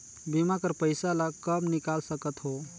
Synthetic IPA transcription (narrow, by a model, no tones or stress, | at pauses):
bimakəɾpəjsalakəbnikalsəkət̪ɦo